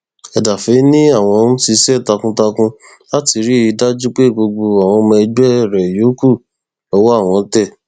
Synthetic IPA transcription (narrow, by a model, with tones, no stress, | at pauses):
ɛ˧da˨fe˨˦nĩ˦a˦˨w̃ɔ̃˧ñ̩˦ti˧sɛ˦˨ta˧kũ˧ta˧kũ˧ | la˦ti˧˦ɾi˦i˧˦da˦d͡ʒu˦k͡pe˦˨ɡ͡bo˧ɡ͡bo˧a˨w̃ɔ̃˧mɔ̃˧ɡ͡bɛ˦ɛ˦˨ɾɛ˨jo˨˦ku˦˨ | ɔ˧˦wo˦a˦˨w̃ɔ̃˧˦tɛ˦˨